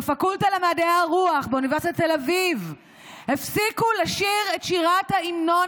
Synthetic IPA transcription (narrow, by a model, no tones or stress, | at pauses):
fakultalemaːdeaʁuaχbeunive̞ʁsitatelaviv | hefsikulaʃiʁetʃiʁathaimno̞